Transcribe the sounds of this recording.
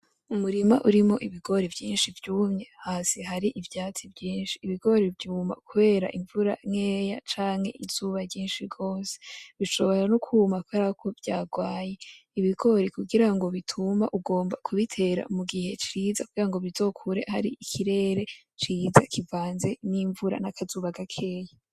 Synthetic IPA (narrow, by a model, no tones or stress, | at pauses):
umuɾima̰ʔuɾimo̞ʔiβiɡo̞ɾivɟiːnʃivɟumɲe̞haːsiɦaɾiʔivjaːt͡sivjiːnʃi̥ːβiɡo̞ɾivjuːma̰kuβe̞ːɾa̰ʔiɱvuɾa̰ŋeːjat͡ʃaːŋhe̞̰ʔiz̥uːβaɾɟiːnʃiɾɡo̞ːse̥βiʃo̞βo̞ɾanokʰumakuβeːɾakʰo̞vɟaːɡwaːje̞iβiɡo̞ɾikuɡiɾaŋɡo̞βitʰumaʔuɡo̞ːmbakʰuβitʰe̞ɾa̰muɡihe̞t͡ʃiːzakuɡiɾaŋɡo̞βizo̞kʰuɾe̞̰haɾiikʰiɾe̞ːɾe̞ | t͡ʃiːza̰kʰivaːnze̞niɱvuɾa̰nakʰazuːβaɡakʰe̞ːja